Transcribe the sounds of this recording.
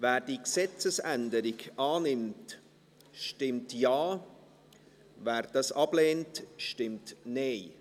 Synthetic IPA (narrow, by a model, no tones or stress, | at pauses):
væːɾd̥iksɛt͡səsændəɾɪɡɑːnɪmt | ʃtɪmtjaː | væːɾd̥ɑsɑb̥leːntʃtɪmtneɪ